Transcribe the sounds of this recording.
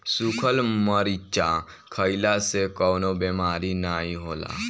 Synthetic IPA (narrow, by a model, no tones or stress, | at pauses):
sukʰəlməɾit͡ɕa | kʰəjlasekɔwnobemaɾinaiɦola̰